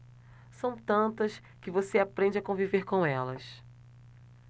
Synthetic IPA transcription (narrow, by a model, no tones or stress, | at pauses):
sɐ̃w̃t̪ɐ̃nt̪ɐs | kɪvoseapɾẽnd͡ʒɪakõviveɾkõɛlɐ̰s